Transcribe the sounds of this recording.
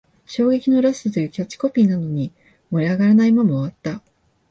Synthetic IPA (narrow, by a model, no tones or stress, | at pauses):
ɕo̞ːɡe̞kʲino̞ɾaɕɨt̪ojɯ̟kʲot͡ɕi̥ko̞pʲiːnano̞ɲ̟i | mo̞ɾʲiaɡaɾanaimamoːβat̪ːa